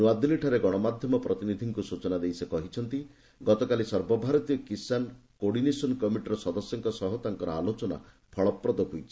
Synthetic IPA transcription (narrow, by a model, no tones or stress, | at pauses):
nuad̪iliʈʰaɾeɡɔɽ̃ɔmad̪ʱjɔmɔpɾɔt̪inid̪ʱiŋkusut͡ʃɔnad̪ejsekɔɦit͡ʃʰɔnt̪i | ɡɔt̪ɔkalisɔɾbɔbʱaɾɔt̪iɔkisankoɽinesɔnkɔmiʈɾɔsɔd̪ɔsjɔŋkɔsɔɦɔt̪aŋkɔɾɔalot͡ʃɔna̰ | pʰɔɭɔpːɾɔd̪ɔkujt͡ʃʰi̥